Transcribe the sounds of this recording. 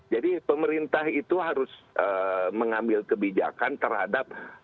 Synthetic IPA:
d͡ʒadipəməɾint̪aɦit̪uɦaɾʊsʔəːməŋambɪlkəbid͡ʒa̰kant̪ərhadap̚

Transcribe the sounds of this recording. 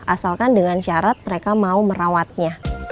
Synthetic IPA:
ʔasalkandəŋanʃaɾat̪̚məɾekamauməɾawat̪̚ɲa

